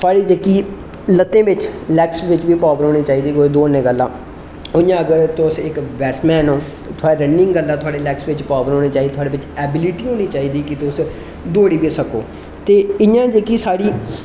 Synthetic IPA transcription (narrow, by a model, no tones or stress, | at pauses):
t̪ʰʊaːɽiːd͡ʒeːkiː | lət̪ːẽːʋɪt͡ʃlɛːksʋɪt͡ʃʋiːpaːʋɾɦoːniːt͡ʃaːiːd̪iːkoːeːd̪oːənẽːɡəlːã̰ː | ʊjãːəɡəɾt̪ʊsɪkʋɛːsʈmɛ̃ːnõː | t̪ʰʊaːɽeːɾənɪ̃ŋɡɡəlːãːt̪ʰʊaːɽeːlɛːksʋɪt͡ʃpaːbəɾɦoːneːt͡ʃaːiːdet̪ʰaːɽeːʋɪt͡ʃɛːbɪlɪʈiːɦoːniːt͡ʃaːiːd̪iːkɪt̪ʊs | d̪oːɽiːʋiːsəkoː | t̪eːɪjãːd͡ʒeːkiːsaːɽiː